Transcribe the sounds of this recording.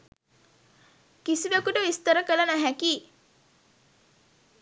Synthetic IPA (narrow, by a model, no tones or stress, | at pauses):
kisiʋekuʈəʋist̪əɾəkələnaɦækiː